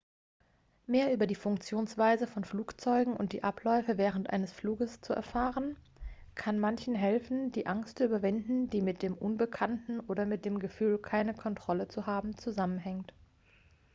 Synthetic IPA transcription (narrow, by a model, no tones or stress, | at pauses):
meːɐʔyːbɐdiːfʊŋkt͡sjoːnsv̥aɪzəfɔnfluːkt͡sɔʏɡŋ̩ʊ̰nt̚d̥ḭːʔapʰlɔʏfəvɛːʁəntʔa̰ɪnəsfluːɡəst͡suʔɛ̰ɐfaːʁən | kʰanmançn̩ɦɛlfn̩diːʔaŋstt͡syːbɐvɪndn̩d̥iːmɪt̚d̥eːmʔʊnbəkʰantn̩ʔoːdɐmɪt̚d̥eːmɡəfyːlkʰaɪnəkʰɔntʁ̥ɔlət͡suɦaːbm̩t͡suzamənɦɛŋt